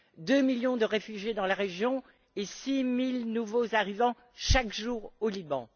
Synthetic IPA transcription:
d̪ømiljɔ̃d̪əʁefyʒjed̪ɑ̃laʁeʒjɔ̃ | esimilnuvozaʁivɑ̃ | ʃakʒuːʁolibɑ̃

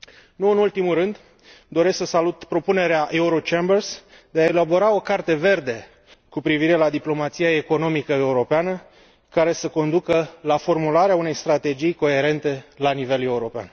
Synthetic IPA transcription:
nuɨnult̪imulrɨnd̪ | d̪o̞ɾesksəsalut̪pɾo̞pune̞ɾeaʔe̞uɾo̞t͡ʃembərs | d̪e̞ae̞labo̞ɾao̞kart̪e̞ve̞rd̪e̞ | kupɾiviɾe̞lad̪iplo̞mat̪sijae̞ko̞no̞mikəe̞uɾo̞peanə | kaɾe̞səko̞nd̪ukəlafo̞rmulaɾeaune̞jst̪ɾat̪e̞d͡ʒijko̞e̞ɾe̞nt̪e̞lanive̞le̞uɾo̞pea̰n

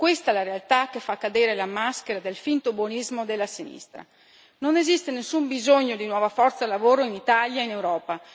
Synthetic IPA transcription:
kwest̪aɛlaɾealt̪akːefakːad̪eːɾelamaskeɾad̪elfint̪obonizmod̪elːasinḭst̪ɾa̰ | nonezist̪enesːumbizoɲːod̪inwɔːvafɔrt̪salavoːɾoinit̪aʎjainewɾɔːpa

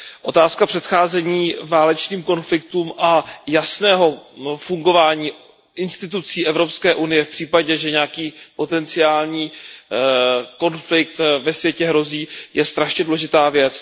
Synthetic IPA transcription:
ʔo̞t̪aːskapr̥ɛt̪xaːzɛɲiːvaːlɛt͡ʃniːmko̞nflɪk̚t̪uːmʔajasnɛːɦo̞fuŋɡo̞vaːɲiː | ʔɪnst̪ɪt̪̬ut͡siːʔɛvɾo̞pskɛːʔunɪjɛfpr̥iːpaɟɛʒɛɲɛakiːpo̞t̪ɛnt͡sɪaːlɲiː | ko̞nflɪk̚t̪vɛsvjɛcɛɦɾo̞ziːjɛst̪ɾaʃɲɛdulɛʒɪt̪aːvjɛt͡s

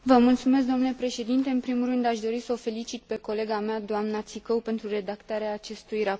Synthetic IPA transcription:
vəmult̪sume̞s̬ɡd̪onule̞pɾe̞ʃe̞d̪int̪e̞ɨnpɾimulrɨnd̪aʃd̪o̞ɾisəofe̞lit͡ʃit̪̚pe̞ko̞le̞ɡamead̪oamnat̪sikowpe̞nt̪ɾure̞d̪akt̪aɾeaːt͡ʃe̞st̪ujra

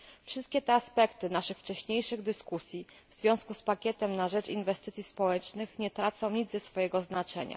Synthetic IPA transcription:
fʂɘst̪̚kʲɛt̪ɛaspɛkt̪ɘnaʂɘxft͡ʂɛɕɲejʂɘɣd̪ɘskusʲji | vzvʲjɔ̃w̃skuspakʲɛt̪ɛmnaʐɛt͡ʂḭnvɛst̪ɘt̪sʲjispɔwɛt͡ʂnɘxɲɛt̪ɾat̪sɔ̃w̃ɲid̪zɛsfɔjɛɡɔznat͡ʂɛɲa̰

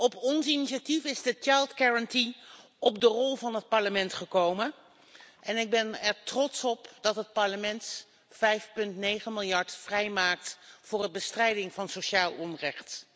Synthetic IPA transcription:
ɔpɔnsiniʃatifɪzdət͡ʃajlˠtkɛɹənti | ɔp̚dərɔlˠvɑnɦət̚pɑɹləmɛntχəkowmən | ʔɛnɪɡ̚bɛnɛɹtrɔtsɔpd̥ɑtɦət̚pɑɹləmɛnt | fɛjfpɵntnejχənmɪlˠjɑɹtfrɛjmaːk̚tfʊːrəbəstrɛjdɪŋvɑnsowʃaːlˠɔnrɛχt

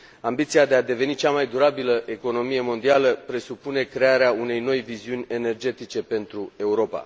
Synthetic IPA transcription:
ambit̪siad̪e̞ad̪e̞ve̞nit͡ʃamajd̪uɾabiləʔe̞ko̞no̞mije̞mo̞nd̪ialəpɾe̞supune̞kɾe̞aɾeaune̞jno̞jviziunʲe̞ne̞rd͡ʒe̞t̪it͡ʃe̞pe̞nt̪ɾue̞uɾo̞pa̰

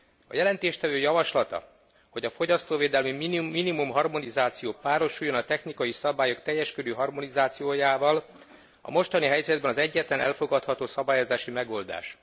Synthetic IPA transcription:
ɒ̰jɛlɛnt̪eːʃt̪ɛvøːjɒvɒʃlɒt̪ɒ̰ | ho̞ɟɒfo̞ɟɒst̪oːveːd̪ɛlmimminimumɦɒrmo̞nizaːt̪sijoːpaːɾo̞ʃujːonɒt̪ɛxnikɒjisɒbaːjo̞kt̪ɛjːɛʃkød̪øːɦɒrmo̞nizaːt̪sijoːjaːvɒl | ɒ̰mo̞ʃt̪ɒniɦɛjzɛd̪̚bɛnɒzɛɟːɛt̪lɛnʔɛ̰lfo̞ɡɒt̪hɒt̪oːsɒbaːjozaːʃimɛɡo̞ld̪a̰ːʃ

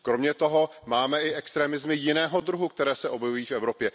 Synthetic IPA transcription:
kɾo̞mɲɛt̪o̞ɦo̞maːmɛɪʔɛkst̪ɾɛːmɪzmɪjɪnɛːɦo̞d̪ɾuɦukt̪ɛɾɛːsɛʔo̞bjɛvujiːfʔɛvɾopjɛ

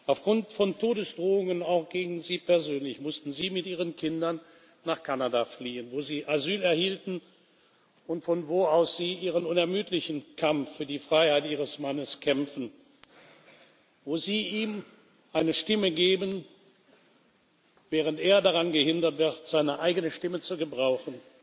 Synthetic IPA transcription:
ʔaʊfɡ̥ʁʊntfɔntʰoːdəsd̥ʁoːʊŋənaʊxɡ̥eːɡŋ̩n̩ziːpʰɛɐzøːnlɪçmʊstn̩ziːmɪtʔiːʁ̞ənkʰɪndɐnː | aːχkʰanadafliːənvoːziːʔazyːlɛɐhiːltn̩ | ʊntfɔnvoːaʊsz̥iːʔiːʁənʊnɛɐmyːtʰlɪçn̩kʰamfyːɐdiːfʁ̥aɪhaɪtʔiːʁəsmanəskʰɛmfn̩ | voːziːʔiːm | ʔaɪnəʃtɪməɡeːbən | vɛːʁ̞ənteːɐdaʁanɡəhɪndɐtv̥ɪɐtz̥aɪnəʔaɪɡənəʃtɪmət͡suɡəbʁaʊxn̩

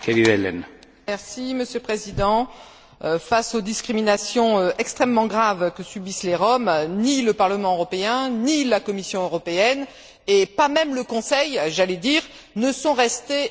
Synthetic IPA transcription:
kɛlivɛlɛ̰n | mɛʁsiməsjølpχezid̪ɑ̃ | fasod̪iskχiminasjɔ̃øɛkst̪χɛmːɑ̃ɡʁavkəsybisleʁɔmniləpaʁləmɑ̃øʁɔpeɛ̃nilakɔmisjɔ̃øʁɔpeɛn | epamɛmləkɔ̃sɛjʒalɛd̪iʁ | nəsɔ̃ʁɛst̪e

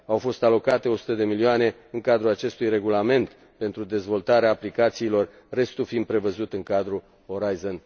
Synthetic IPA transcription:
awfo̞st̪alo̞kat̪e̞o̞su̥t̪əd̪e̞milioane̞ɨŋkad̪ɾulat͡ʃe̞st̪ujre̞ɡulame̞nt̪ | pe̞nt̪ɾud̪e̞zvo̞lt̪aɾeaːplikat̪siːlo̞rː | e̞st̪ufind̪̚pɾe̞vəzut̪ɨŋkad̪ɾu | oɾajzon

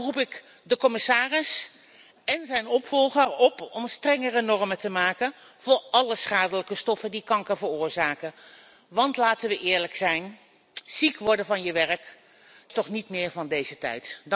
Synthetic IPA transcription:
rupɪk | dəkɔmɪsaːrɪs | ɛnzɛjnɔpfɔlˠχəɹɔpɔmstrɛŋərənɔrmətəmaːkən | v̥ʊːɹɑləsχaːdələkəstɔfəndikɑŋkəvərʊːɹzaːkə | ʋɑntlaːtənʋəʔɪːɹləksɛjn | z̥ikʋɔɹdənvɑnjəʋɛrək | tɔχnitmɪːɹvɑndejzətɛ̰jt

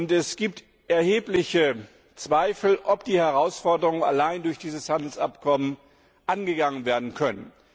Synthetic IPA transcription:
ʊntɛsɡ̥iːp̚t | ʔɛɐheːplɪçə | t͡sv̥aɪfl̩ʔɔpd̥iːhɛʁaʊsfɔɐdəʁʊŋəna̰laɪndʊɐçd̥iːzəshandl̩sa̰pkʰɔmən | ʔanɡəɡaŋənveːɐdn̩kʰœnən

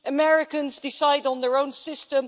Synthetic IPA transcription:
əmɛɹɪkə̃nzdɪsaɪdn̩ðəɹõʊ̃nsɪstə̃m

